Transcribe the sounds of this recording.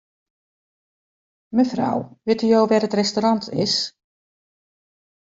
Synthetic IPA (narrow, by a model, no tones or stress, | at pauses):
məfra̰wʋɪtyjowʋɛːrətrɛstoɾɑntʰɪ̰s